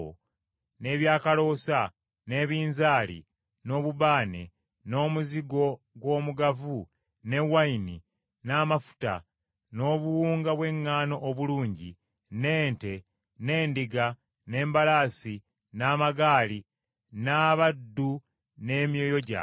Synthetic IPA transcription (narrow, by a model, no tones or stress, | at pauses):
o | ne̞ːβjaːkalo̞ːsa | ne̞ːβiːnzaːlḭ | no̞ːβuβaːnḛ | no̞ːmuziɡo̞ | ɡwo̞ːmuɡavu | ne̞waini | namafu̥ta̰ | no̞ːβuwuːŋɡaβwe̞ŋːaːno̞ʔːβuluːɲɟḭ | ne̞ːnte̞ | ne̞ːndiɡa | ne̞ːmbalaːsi | naːmaɡaːli | naːβadːu | ne̞ːmjojo̞ɟa̰